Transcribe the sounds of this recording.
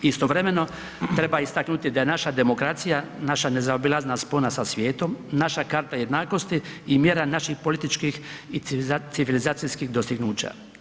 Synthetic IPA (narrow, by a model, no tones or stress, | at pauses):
ist̪o̞ʋɾe̞me̞no̞ | t̪ɾe̞baist̪aknut̪id̪aje̞naʃad̪e̞mo̞kɾat̪sijanaʃane̞zaobilˠazenasponasasʋje̞ːt̪o̞mnaʃakaɾt̪aje̞d̪naːko̞st̪iːmjeːɾanaʃixpo̞lit̪it͡ʃkixisiʋilizaːt̪sijskixd̪ost̪iɡnuːt͡ɕa̰